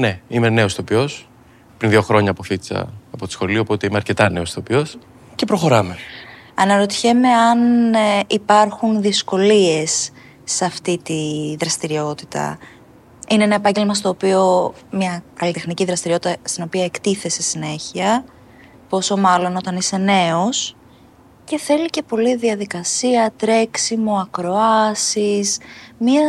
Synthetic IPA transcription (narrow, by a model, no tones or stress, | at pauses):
ne̞ime̞ne̞osopio̞s | pɾinðioxɾo̞ɲɐːpoθit̪i̥t͡sɐ̰ːpo̞t̪i̥sxo̞liopo̞t̪e̞imeɐɾce̞t̪ɐne̞o̞sopio̞s | ce̞pɾo̞xo̞ɾɐme̞ɐnɐɾo̞t̪içe̞me̞ɐnipɐɾxunðisko̞lie̞sː | ɐft̪it̪iðɾɐst̪iɾio̞t̪i̥t̪ɐ̰ | ineenɐepɐɲɟe̞lmɐst̪o̞ːpio̞ | mɲɐkɐlit̪e̞xniciðɾɐst̪iɾio̞t̪it̪ɐst̪ino̞piɐe̞kt̪iθe̞sesine̞çiɐ | po̞so̞mɐlo̞no̞t̪ɐnise̞ne̞o̞s | ce̞θe̞lice̞po̞liðiɐðikɐsiɐt̪ɾe̞ksimoɐkɾo̞ɐsismiɐ